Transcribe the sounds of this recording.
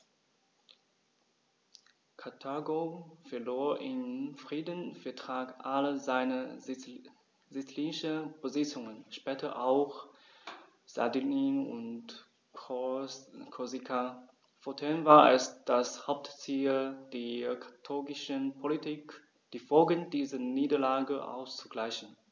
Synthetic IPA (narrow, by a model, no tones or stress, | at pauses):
kʰatʰaɡofɛɐloːɐʔɪmfʁ̥iːdənfɛɐtʁ̥aːkʔaləzaɪnə | zit͡sliːnɪʃəb̥əzɪt͡sʊŋənʃpɛːtʰɐʔaʊx | z̥a̰dininʊ̰nt | kʰozikʰa | foɐtʰɛːnvaːɐɛ̰sd̥ashaʊp̚tt͡siːld̥eːkʰḁtʰɔɡɪʃənpʰolitʰiːk | d̥iːfolɡəndiːzəniːdɐlaːɡəʔa̰ʊst͡suɡ̥laɪçn̩